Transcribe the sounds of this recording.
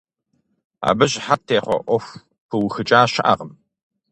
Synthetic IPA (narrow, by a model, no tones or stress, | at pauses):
a̰ːbɨɕħatʰeːχʷɔ̰ʔʷɔf | pʰɨwxɨt͡ʃʼaːɕɐʔa̰ʁəm